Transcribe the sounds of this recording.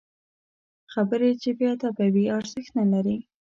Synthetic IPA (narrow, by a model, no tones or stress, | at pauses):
xabəɾet͡ʃebjɑt̪abawiɑɾzəxt̪nalaɾi